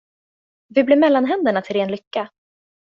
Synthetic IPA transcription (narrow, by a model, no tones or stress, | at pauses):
vɪblɪɾmɛlːanɦɛnd̪əɳat̪ʰɪlɾeːnlʏkːa